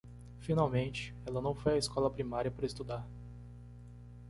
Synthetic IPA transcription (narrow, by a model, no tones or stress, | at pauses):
finawmẽnt͡ʃɪ̥ | ɛlɐnɐ̃w̃fojɐeskɔlɐpɾimaɾiɐpaɾɐest̪ud̪aɾ